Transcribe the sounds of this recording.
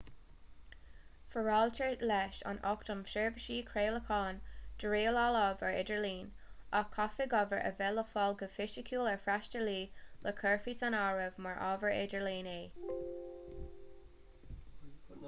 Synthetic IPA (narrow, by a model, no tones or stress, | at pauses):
fəɹɑltʰəlɛːʃɑ̰nʔɔktəmfʃɛɹvəʃiːkʰɹeːləkʰɑːnd̥əɹiːlalɔvəɹɪ̰dəɹliːn | ɑkʰɔfeɡɔvəɹʔə̰vɛləfɔlɡəfɪʃəkʰuːləɹfɹaʃtəliːləkʰɜɹfisanaɹəvmaɹʔɑ̰ːvəɹɪ̰dəɹliːneː